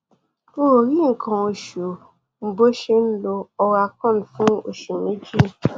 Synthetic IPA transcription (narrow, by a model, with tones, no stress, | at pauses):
o˦o˨ɾi˦ŋ̩˨kã˧o˧ʃu˨ | m̩˦bo˦ʃe˧n̩˦lo˧ɔ˧ɣa˧kã˦˨n̩˨fũ˦o˦˨ʃu˨me˦d͡ʒi˦˨